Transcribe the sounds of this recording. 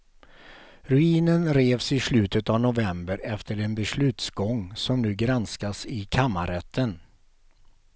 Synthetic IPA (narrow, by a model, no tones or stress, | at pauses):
ɾɵiːnənɾeːvsɪslʉ̟ːt̪ət̪avnʊvɛmbəɾɛft̪əɾɛnbɛslʉ̟ːt̪sɡɔŋːsɔmnʉ̟ːɡɾanskasɪkʰamːaɾɛt̪ʰːən